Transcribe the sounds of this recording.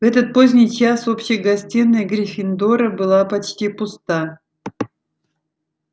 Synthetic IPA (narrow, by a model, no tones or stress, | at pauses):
vɛt̪ət̪̚pozʲnʲɪjt͡ɕaso̞pɕɪjəɡɐsʲtʲinːəjɡɾʲɪfʲɪnd̪oɾəbɨlˠapɐt͡ɕtʲipʊst̪a